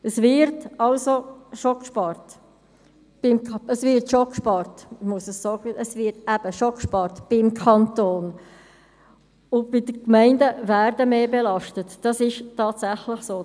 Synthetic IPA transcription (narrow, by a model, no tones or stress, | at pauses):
əsvɪɾtɑlzoʃɔkʃpɑrt | b̥ɪmkʰəsvɪrtʃokʃpɑrtmuəsəssɔːɡəʔəsvɪtæb̥əʃɔkʃpɑɾtb̥ɪmkʰɑntoːn | ʊnb̥ɪdəkmæɪndəvæːɾdəmeːbelɑʃtətd̥ɑsɪʃtɑːtsæχlɪχsoː